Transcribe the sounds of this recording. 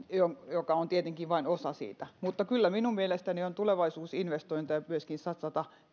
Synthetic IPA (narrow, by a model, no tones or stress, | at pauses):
joŋjokɑont̪iet̪eŋkiʋʋɑinosɑsḭːt̪æmut̪ːɑkylːæminummielest̪æniont̪uleʋɑisuːsinʋest̪oint̪ɑjɑmyøskinsɑt̪sɑt̪ɑ